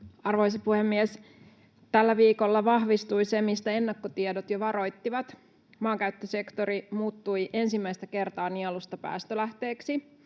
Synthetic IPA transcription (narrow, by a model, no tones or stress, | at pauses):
ɑrʋo̞js̬ɑpuhemːies | t̪ælːæʋiːko̞lːɑʋɑhʋist̪ujse̞mist̪æe̞nːɑkːot̪iedot̪joʋɑɾo̞jt̪ːiʋɑt̪ | mɑːŋkæyt̪ːøse̞kt̪o̞ɾimuːt̪ːujʔe̞nsimːæjst̪æke̞rt̪ɑːniɑlust̪ɑpæ̰ːst̪ølæht̪e̞ːksi